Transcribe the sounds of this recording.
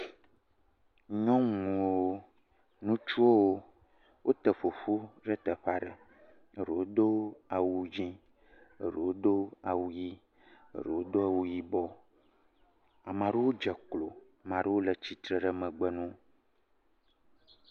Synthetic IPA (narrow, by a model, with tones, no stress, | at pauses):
ɲɔ̃˦ŋũ˨wo˦ | nũ˦t͡ʃu˦o˦wo˦ | wʔo˦t̪ə˨fo˨ɸu˦ɖə˦t̪ə˨ɸa˦ɖə̰˨ | ə˦ɾə˨wo˦d̪o˦a˨wu˨d͡ʒĩ˦ | ə̰˨ɖə̰˨wo˦d̪o˦a˨wu˦ji˦ | ə̰˦˨ɾə̰˨wo˦d̪o˦a˨wu˦ji˦bɔ˦ | a˨mã˨ɖe˦wo˦d͡ʒɛ˨klo˨ | mã˨ɖe˦wo˦lə˨t͡ɕi˦t̪ɾə˨ɖə˦˨mə̃˨ɡ͡bə˦˨nũ˦